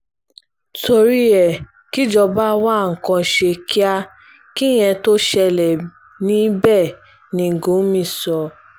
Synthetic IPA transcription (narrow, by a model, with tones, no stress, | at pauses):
to˧ɾi˦ɛ˨ | ki˦d͡ʒɔ˧ba˦wa˦˨ŋ̩˨kɔ̃˧˨ʃe˧ki˦a˦ | ki˦j̃ɛ̃˧to˦ʃɛ˧lɛ˨ | nĩ˦bɛ˦˨ | nĩ˧˨ɡo˨˦mĩ˧sɔ˧